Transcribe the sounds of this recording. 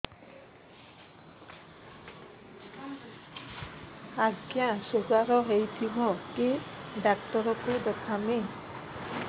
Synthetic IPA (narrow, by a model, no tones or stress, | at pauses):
aɡijãsozaɹɔɦejtʰibɔkidak̚tɔɹɔkudɔkʰame